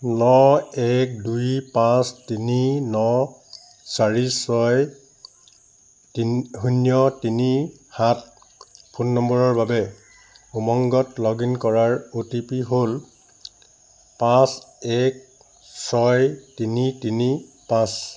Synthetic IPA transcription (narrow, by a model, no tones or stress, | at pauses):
nɔɛk̚dujpãstininɔ | saɹisɔj | tiɦunjɔtini | hat | pʰunːɔmbɔɹɔɹbabɛ | umɔŋɡɔtlɔɡinkɔɹaɹutipiɦol | pãs | ɛk̚ | sɔjtinitini | pãs